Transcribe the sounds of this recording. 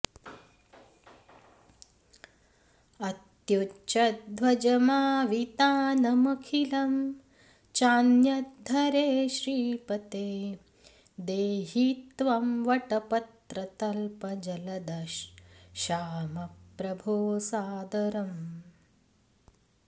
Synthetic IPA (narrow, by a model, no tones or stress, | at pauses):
ɐt̪jut͡ʃɐd̪ʋɐd͡ʒɐmaːʋit̪aːnɐmɐkʰilɐm | t͡ʃaːnjɐd̪ʱɐɾeːʃɾiːpɐt̪eː | d̪eːɦit̪ʋɐmʋɐʈɐpɐt̪ɾɐt̪ɐlpɐd͡ʒɐlɐd̪ɐʃː | aːmɐppɾɐbʱoːsaːd̪ɐɾɐm